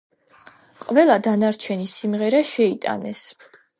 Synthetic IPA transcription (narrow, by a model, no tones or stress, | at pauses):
qʼvɛlˠad̪anaɾt͡ʃʰɛnisimʁɛɾaʃɛit̪ʼa̰nɛs